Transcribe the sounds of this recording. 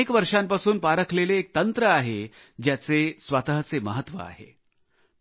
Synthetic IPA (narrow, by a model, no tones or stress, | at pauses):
ekʋəɾʂampasuːnpaɾəkʰleleːk̚t̪ənt̪ɾəaɦe | d͡ʑjat͡sesʋat̪əɦət͡seməɦət̪ːʋə̰a̰ɦḛ